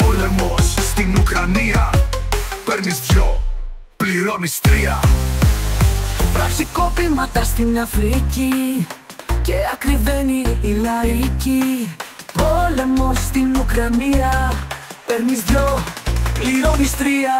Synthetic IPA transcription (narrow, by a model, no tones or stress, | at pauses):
polemosst̪inukɾɐniɐ | peɾnizço | pliɾomist̪ɾiɐ̰ | pɾɐ̰fsikopimɐt̪ɐst̪inɐfɾici | ceɐkɾiveniːlɐici | polemosst̪inukɾɐniɐ | peɾnizopliɾomist̪ɾiɐ